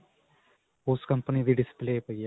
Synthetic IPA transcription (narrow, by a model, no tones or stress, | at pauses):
oːskɐmpɐniðiɖispleːpoja